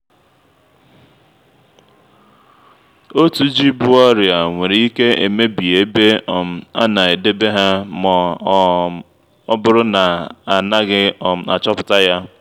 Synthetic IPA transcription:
o˦tu˨d͡ʒi˦bʊ˦ɔ˦ɾja˨ŋʷe˨ɾi˨i˦ke˦e˨me˦bi˨e˨˦be˦˨m̩˨a̰˦na˨e˨de˦be˦ɦa˦mɔ˨˦˨ | ɔ˦bʊ˦ɾʊ˦na˨a˨na˦ɡɪ˦˨m̩˨a̰˨t͡ʃɔ˦pʊ̥˨ta˦ja˦

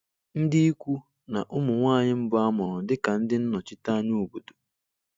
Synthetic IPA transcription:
n̩˦dɪ˦i˦kʷu˦ | na̰˨ʔʊ˦mʊ˨ŋʷaː˦˨ɲɪ˦m̩˦bʊ˦a˦mʊ˨ɾʊ˨dɪ˦ka˨n̩˦dɪ˦n̩˦nɔ˨t͡ʃɪ˦ta˦nu˦˨bo˨do̥˨

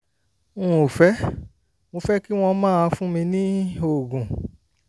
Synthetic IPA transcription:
ũ˦˨o˨fɛ˨˦ | wo˧fɛ˦ki˦w̃ɔ̃˧˦mãː˦a˧fũ˦mĩ˧nĩ˦o˦˨ɡũ˨

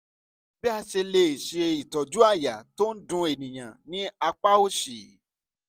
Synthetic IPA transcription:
bi˦a˧ʃe˧le˧i˨ʃe˨e˧i˨tɔ˨d͡ʒu˦a˦˨ja˨to˦n̩˦dũ˧˦e˨nĩ˨j̃ã˨nĩ˨˦a˧k͡pa˦o˦ʃi˨

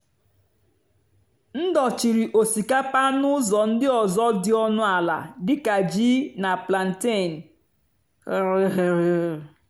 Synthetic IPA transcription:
n̩˦dɔ˨t͡ʃi˨ɾi˨ʔo˨si˨ka˦pa˦nʊ˦zɔ˨n̩˦dɪ˦ɔ˨zɔ˦dɪ˦ɔ˦nʊ˦a˨la̰˨dɪ˦ka˨d͡ʒi˦na˨pla˨n̩˨te˦˨n̩˨ | ɾɾ

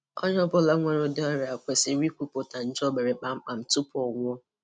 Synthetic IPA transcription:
ɔ̰˦ɲ˦ɔ˦bʊ˦la˦ŋʷe˨ɾo˨da˦ɾa˨kʷe˨sɪ˨˦ɾi˦kʷu˦po˨ta˨n̩˦d͡ʒɔ˦be˨ɾe˨k͡pa˨ŋ͡m̩˦k͡pa˨m̩˨tu˦pʊ˦ɔ˨ŋʷ˦ɔ˦

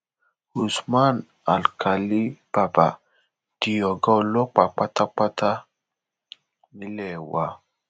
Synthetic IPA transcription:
u˨sma˦˨n | a˨lka˨li˦b̥a˨ba̰˨ | d̥i˨ɔ˨ɡɔ˦˧˨lɔ˦k͡pa˨k͡pa˦ta˦k͡pa˦ta˦ | ni˦lɛ˨wa˨

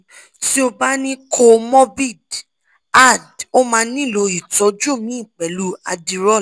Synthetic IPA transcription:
ti˦o˧ba˦nĩ˦kʰo˧mɔ˦bi˦˨d | a˦˨do˦mãː˧˦nĩ˦˨lo˧i˨tɔ˨˦d͡ʒo˦˨mĩ˨˦i˦˨k͡pɛ˨˦lu˦a˧di˧ɾɔ˦˨

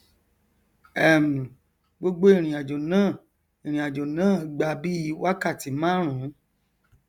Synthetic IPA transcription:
ɛ˦˨m˨ | ɡ͡bo˧ɡ͡bo˧i˨ɾ̃ĩ˨a˨d͡ʒo˨nãː˦˨ | i˨ɾ̃ĩ˨a˨d͡ʒo˨nãː˦˨ɡ͡ba˧bi˦i˧˦wa˦ka˦˨ti˨˦mã˦˨ɾ̃ũ˨˦

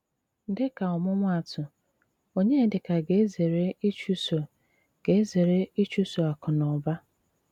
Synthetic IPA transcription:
n̩˦dɪ˦ka˨ɔ˨mʊ˦ŋʷa˦˨tʰʊ˨ | o˦ɲe˦˨dɪ˨ka˨ɡe˨e˦ze˨ɾe˦i˦t͡ʃu˦so˨ | ɡ̥e˨e˦ze˨ɾe˦i˦t͡ʃu˦so˨a˨kʊ˨nɔ˨ba˦

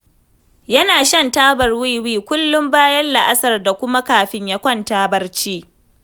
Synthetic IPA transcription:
jɐ˦naː˨ʃɐ˦ntaː˦bɐ˨rwi˦jwiː˦kʷʊ˦lːʊ˦mbaː˦jɐ˦nla˨ʔa˦sɐ˨rda˨kʷʊ˦ma˦kaː˨ɸɪ˦ɲja˦kʷɐ˦˨ntaː˦bɐ˦rt͡ʃiː˦

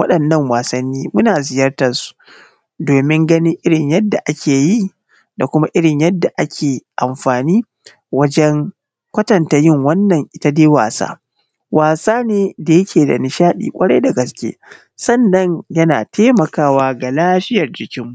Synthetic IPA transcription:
wɐ˦ɗɐ˨nːɐ˦ŋwaː˨sɐ˦nːiː˦mʊ˦naː˨zɪ˨jɐ˦rtɐ˨su̥˨ | doː˨mɪ˦ŋɡɐ˦ni˦ʔɪ˦ɽɪ˨ɲjɐ˦dːa˨ʔa˦kʲʰeː˨ji˦˨ | da˨kʷʊ˦ma˦ʔɪ˦ɽɪ˨ɲjɐ˦dːa˨ʔa˦kʲʰeː˨ʔa˨mɸaː˨niː˦ | wɐ˦d͡ʒɛ˦ŋ | kʷɐ˦tɐ˨ntaː˨jɪ˦˨ŋwɐ˦nːɐ˨ŋʔɪ˨ta˦deː˦wa̰ː˨sa̰ː˦ | waː˨saː˦neː˦da˨jɐ˦kʲʰeː˨da̰˨nɪ˨ʃaː˦ɗḭː˨kʷʼɐ˦ɽɐ˦jda˨ɡɐ˨skʲḛː˦ | sɐ˦˨nːɐ˦ɲjɐ˦naː˨teː˦mɐ˨kaː˦waː˦ɡa˨laː˦ɸɪ˦jɐ˨rd͡ʒɪ˨kʲɪ˦mːu˨

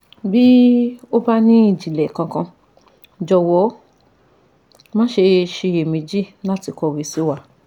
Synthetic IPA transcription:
bi˦o˦ba˦nĩ˦i˦˨d͡ʒi˨lɛ˨kã˧kã˧ | d͡ʒɔ˧wɔ˨˦ | mã˦ʃe˧ʃe˧je˨mĩ˧d͡ʒi˦nã˦ti˧kɔ˧ɾi˨˦si˨˦wa˧˦

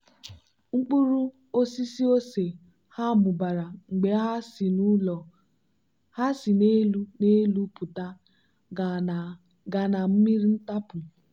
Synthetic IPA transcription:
ŋ͡m̩˦k͡pu˦ɾu˦ | o˦si˦si˦o˦se˨ | ha˦˨mʊ˨ba˨ɾa˨ŋ͡m̩˨ɡ͡be˨a˦i˨nu˦ɔ˨ | ha˦si˨ne˦lu˦ne˦lu˦pʊ˨ta˦˨ | ɡa˨na˨m̩˦mi˦ɾi˦n̩˦ta˦pʊ˨

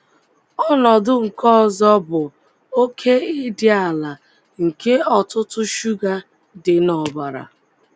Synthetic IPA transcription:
ɔ˦nɔ˨dʊ˦ŋ̩˨kɔ˦˨zɔ˦bʊ˨ | o˦kʰe˦ɪ˦dɪ˦a˨la˨ | ŋ̩˨ke˦ɔ˨tʊ˦tʊ˦ʃu˦ɡa˦ | dɪ˨nɔ˨ba˨ɾa̰˨

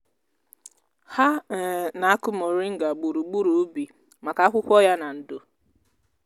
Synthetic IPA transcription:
ha˦˨na˨a˦kʊ˦mo˨ɾi˦ŋ̩˦ɡa˨ɡ͡bu˨ɾu˨ɡ͡bu˦ɾu˨˦bi˨ | ma˨ka˦kʷʊ˦kʷɔ˦ja˦na˨n̩˨dʊ˨

